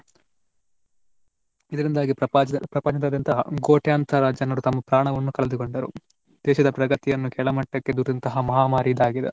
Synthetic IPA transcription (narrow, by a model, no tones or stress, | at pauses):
id̪ɐɾind̪aːɡiɐpɾɐpɐt͡ʃit̪ɐd̪ɐnt̪ɐɦɐ̰ɡoːʈjaːnt̪ʰɐɾaːd͡ʒjɐnɐɾut̪ɐmːɐpɾaːɳɐʋɐnːukɐɭɐd̪ukoɳɖɐɾṵ | d̪̥ɛːʃɐd̪ɐpɾɐɡɐt̪ijɐnːukɛɭɐmɐʈːɐkːe̞d̪uːɾd̪ɐnt̪ɐɦɐmɐɦaːmaːɾid̪aːɡid̪e